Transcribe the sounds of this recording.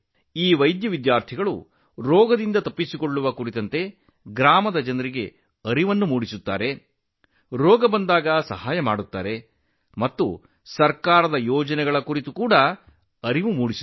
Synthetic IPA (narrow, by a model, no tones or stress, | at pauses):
iːʋɐjd̪jɐʋid̪jaːɾt̪ʰiɡɐɭṵ | ɾɔːɡɐd̪ind̪ɐt̪ɐpːisikoɭːuʋɐkuɾit̪ɐnt̪e̞ | ɡɾaːmɐd̪ɐd͡ʒɐnɐɾiɡe̞ | ɐɾiʋɐnːumuːɽisut̪ːa̰ːɾe̞ | ɾɔːɡɐbɐnd̪aːɡɐsɐ̰ɦaːjɐmaːɽut̪ːa̰ːɾe̞ | mɐt̪ːu | sɐɾkaːɾɐd̪ɐjɔːd͡ʒɐnɛɡɐɭɐkuɾit̪ukuːɽɐ | ɐɾiʋumuːɽis